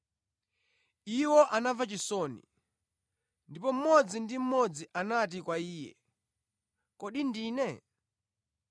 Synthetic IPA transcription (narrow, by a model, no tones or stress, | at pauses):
iwɔʔanavat͡ʃisɔːnḭ | ndipɔm̩mɔd͡zindim̩mɔd͡ziʔanat̬ikwaiːjɛ̰ | kɔɗindiːnɛ